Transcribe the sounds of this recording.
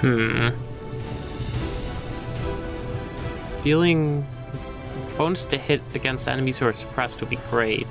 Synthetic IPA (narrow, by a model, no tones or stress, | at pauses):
m̥m̩ | d̥ilˠɪ̃ŋ | b̥õʊ̃nstʰɨhɪɾɨɡɛ̃nstɛ̰nɨmiz̥huə˞sə̥pʰɹ̥ɛst̚wɨbiɡɹeɪt̚